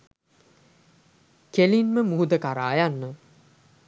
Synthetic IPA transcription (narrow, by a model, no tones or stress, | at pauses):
kelinməmuud̪əkaɾaːjanːə